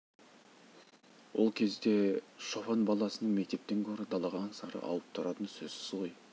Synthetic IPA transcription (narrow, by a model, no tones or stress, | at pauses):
wo̞lˠkʲʰe̞zd̪e̞ʃo̞fɑnbɑlˠɑsənəɴme̞k̚t̪e̞p̚t̪e̞ŋkʲʰɵɾɪd̪ɑlˠɑʁɑnsɑɾə̰ʔɑ̰lˠəp̚t̪ʰʊɾɑt̪ənsɵz̥sɪ̥zʁo̞j